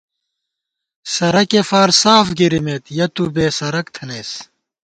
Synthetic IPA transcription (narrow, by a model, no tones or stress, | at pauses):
sɐɾɐkefaːɾsaːfɡiɾimeːt̪jɐt̪ubeːsɐɾɐkt̪ʰɐneːs